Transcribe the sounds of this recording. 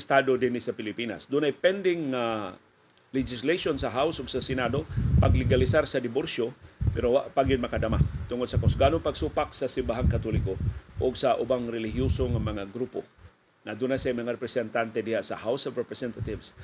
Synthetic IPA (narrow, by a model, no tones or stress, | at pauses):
st̪ad̪od̪ɪnɪsapɪlɪpina̰sd̪ʊnajpɛnd̪ɪŋːa | lɛd͡ʒɪsleʃonsaɦawsʊɡsasɪnad̪opaɡlɪɡalɪsaɾsɐd̪ɪboɾsjopɛɾowaʔpaɡɪd̪̚mɐkad̪amat̪ʊŋod̪sɐkosɡanoŋpaɡsupak̚sasɪmbaɦaŋkat̪ulɪkoʔʊɡsaʔʊbaŋɾɛlɪɦjusoŋamɐŋaɡɾupo̰ | ŋad̪unasajmɐŋaɾɛpɾɛsɛnt̪ant̪ɛd̪ɪhaʔsahawsovɾɛpɾɛsɛnt̪at̪ɪvs